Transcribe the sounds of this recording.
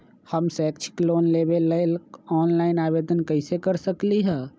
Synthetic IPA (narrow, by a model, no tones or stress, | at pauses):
həmsɛːkt͡ʃʰkloːnlebeləɪlɔːnlaːɪnaːbeːd̪ənkəɦɪsekəɾsəkliɦɛː